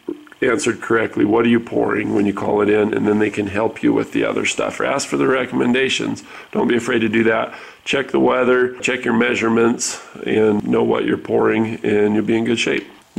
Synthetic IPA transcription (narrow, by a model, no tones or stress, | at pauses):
æ̃nsə˞d̚kʰə˞ɛk̚tʰˡliwʌɾə˞jɨpʰɔ̰ɹɪ̰̃ŋwə̃njɨkʰɔ̰lˠɨɾɪ̃nɨ̰̃nðɨ̃nðeɪkʰɨ̃nɦɛlˠpʰjɨwɪ̰ðḭʌ̰ðə̰˞stʌ̰fə̰˞æskfə˞ðɨɹɛkəmɨ̃ndeɪʃɨ̰̃nz | d̥õʊ̃nb̥iɨfɹeɪd̚tɨdɨðæt̚ | t͡ʃʰɛk̚ðəwɛðə˞t͡ʃʰɛkjə˞mɛʒə˞mɨ̃ntsɨ̃nːoʊwʌ̰t͡ʃə̰˞pʰɔɹɪ̃ŋɨ̃njə˞biɨ̃nɡʊd̥ʃeɪp̚